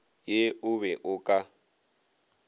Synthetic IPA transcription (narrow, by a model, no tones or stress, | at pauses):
jeʊβɛʔʊkʼa